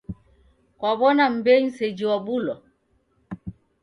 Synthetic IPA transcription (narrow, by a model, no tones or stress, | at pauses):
kwaβɔnam̩bɛɲ̩sɛd͡ʒiwabulɔ